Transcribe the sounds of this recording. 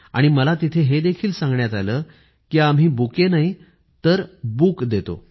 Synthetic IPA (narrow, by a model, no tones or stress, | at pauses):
a̰ɽ̃iməlat̪it̪ʰeɦed̪ekʰiːlsãŋɡɳjat̪aləː | kiamɦiːbukenai | t̪əɾbuːkd̪et̪o̰